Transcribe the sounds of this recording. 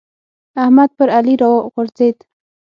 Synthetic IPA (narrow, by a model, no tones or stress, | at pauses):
ahmad̪̚pəɾaliɾaɣʊɾzed̪